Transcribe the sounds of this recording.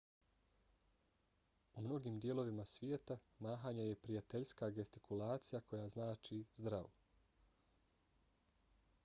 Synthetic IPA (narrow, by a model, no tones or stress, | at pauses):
umno̞ɡiːmd̪jelo̞ʋimasʋjeːt̪amaːɦaːɲeje̞pɾijat̪eʎskaɡest̪ikʰulˠaːt̪sijakʰo̞jaːznaːt͡ʃizd̪ɾaʋo